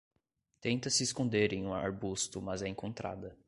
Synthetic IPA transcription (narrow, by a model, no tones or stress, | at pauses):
t̪ẽnt̪ɐsɪːskõnd̪eɾẽj̃ũa̰ɾbust̪ʊmɐzɛẽŋkõnt̪ɾa̰d̪ɐ